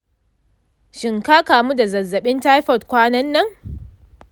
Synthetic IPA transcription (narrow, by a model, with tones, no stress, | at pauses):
ʃɪ˨ŋka˦kaː˨mu˦da˨zɐ˨zːɐ˨ɓɪ˦nta˦jɸɔ˨t̚kʷaː˦nɐ˦nːɐ˦ŋ